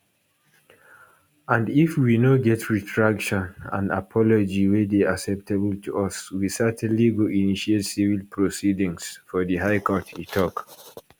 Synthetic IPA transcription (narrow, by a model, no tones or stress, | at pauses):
ãndifwinoɡɛtʰɹitʰɹakʃɔ̃nã̰nda̰pʰɔlɔd͡ʒiwedeasɛp̚təbəltʰuʌswisɛtʰɛ̃nliɡoʔiniʃietsivilpʰɹosidĩŋsfɔðiɦaɪkɔtʰitʰɔk